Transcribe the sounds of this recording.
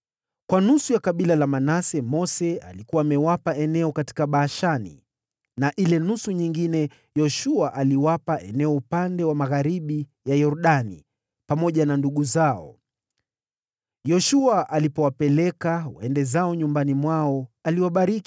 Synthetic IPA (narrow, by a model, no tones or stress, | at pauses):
kwanusujakaɓilalamanasɛmɔsɛa̰likuwaːmɛwapaɛnɛɔkati̥kaɓaːʃanḭ | naʔilɛnusuɲiŋɡinɛ | jɔʃuaʔaliwapaʔɛnɛɔupandɛwamaɣaɾiɓijajɔɾɗanḭ | pamɔʄananduɠuzaɔ̰ | jɔʃuaʔalipɔwapɛlɛkawaɛndɛzaɔɲumbanimwaɔaliwaɓaɾiki̥